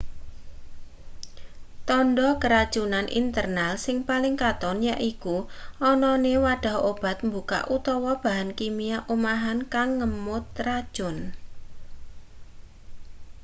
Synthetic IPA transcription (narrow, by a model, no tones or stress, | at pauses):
t̪ɔnɖɔkəɾad̥ʒ̥unanʔḭnt̪ərnalsɪŋpalɪŋkat̪ɔnjaʔikuʔɔnɔnewaɖ̥a̤ɦob̥a̤t̪̚mbuka̰ʔut̪ɔwɔb̥a̤ɦankimijaʔomaɦankaŋːəmʊt̪rad̥ʒ̥ʊ̤n